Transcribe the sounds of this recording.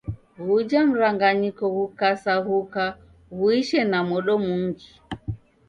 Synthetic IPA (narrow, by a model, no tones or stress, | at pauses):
ɣud͡ʒam̩ɾaŋɡaɲikɔɣukasaɣuka | ɣuiʃɛnamɔɗɔmuŋɡi